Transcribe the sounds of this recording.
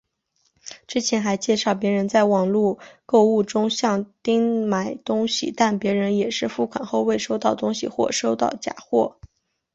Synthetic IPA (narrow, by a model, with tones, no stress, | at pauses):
ʈ͡ʂɻ̩˥t͡ɕʰjɛ˧˥nxa˧˥ɪt͡ɕjɛ˥˧ʂɑ˥˩ʊpjɛ˧˥ɻə˧˥nt͡sa˥˩ɪwɑ˨˩ŋlu˥˧ko˥˧ʊu˥˩ʈ͡ʂʊ˥ŋɕjɑ˥˩ŋt̪i˥ŋma˨˩ɪt̪ʊ˥ŋɕḭ˨˩t̪a˥˩npjɛ˧˥ɻə˧˥njɛ˨˩ʂɻ̩˥˧fu˥˩kʰwa˨˩nxo˥˧ʊwe˥˩ɪʂo˥ʊt̪ɑ˥˩ʊt̪ʊ˥ŋɕḭ˨˩xwɔ̰˥˩ʂo˥ʊt̪ɑ˥˩ʊt͡ɕja̰˨˩xwɔ̰˥˩